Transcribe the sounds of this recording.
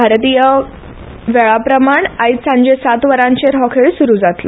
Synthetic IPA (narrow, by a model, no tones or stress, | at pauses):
bʱaɾt̪ijə | ʋeɭapɾəmaɳait̪sãɲd͡ʑesat̪ʋəɾãɲt͡ɕeɾɦɔkʰeɭsuɾuːd͡zat̪lə